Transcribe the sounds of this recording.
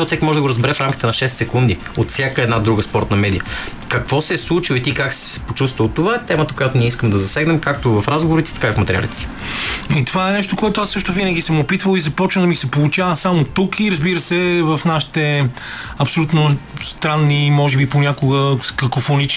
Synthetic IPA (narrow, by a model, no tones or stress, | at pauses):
ɔt̪sɛkʲimɔʒɛd̪ɐɡoɾəzbɛɾɛfɾamkʲit̪ɛnɐʃɛst̪sɛkund̪i | ot̪sjakəɛd̪nad̪ɾuɡəspɔɾt̪nɐmɛd̪ijəkɐkvɔsɛɛslˠut͡ʃilˠit̪ikaksɛ̥sɛ̥pot͡ʃust̪vəlˠt̪ovaɛt̪ɛmət̪əkojat̪ʊniɛis̬kəmd̪ɐzɐsɛɡnɛmkak̚t̪ovɐfɾazɡovoɾit̪sit̪ɐkaivfmɐt̪ɛɾia̰lit̪ɛ̥si̥ | it̪ovaɛnɛʃt̪okoɛt̪oʊasːɤʃt̪ʊvinəɡʲisəmopit̪vəlˠizɐpɔt͡ʃnəd̪əmisɛpolˠut͡ʃavəsamot̪ukiɾɐzbiɾəsɛvɐfnaʃi̥t̪ɛ | ɐpsolʲut̪nost̪ɾanːimɔʒɛbiponʲakʊɡəkɐkofonit͡ʃ